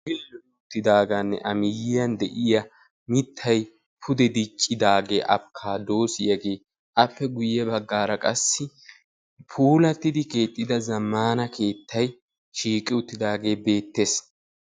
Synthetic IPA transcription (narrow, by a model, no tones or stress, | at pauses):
ɡɪlːɛ | ʊt̪ːɪd̪aːɡɐnːɛ̰ʔɐmɪjɪjɐnd̪ɛʔɪjɐ | mɪt̪ʰːɐj | pʰʊd̪ɛd̪ɪt͡ʃʼːɪd̪aːɡḛːʔɐ̰bkʰːaːd̪o̞ːsɪjɐɡe̞ː | ʔɐpːɛɡʊjɛbɐɡːaːɾɐkʼɐsːɪ | pʰuːlɐt̪ːɪd̪ɪke̞ːt̪ʼːɪd̪ɐzɐmːaːnɐke̞ːt̪ːɐj | ʃiːkʼɪʊt̪ːɪd̪aːɡe̞ːbe̞ːt̪ːe̞ːs